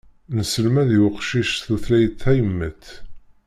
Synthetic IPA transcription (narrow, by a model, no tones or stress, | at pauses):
nəsəlmæðjwəqʃiʃθuθlæjt̪ːæjəmːəθ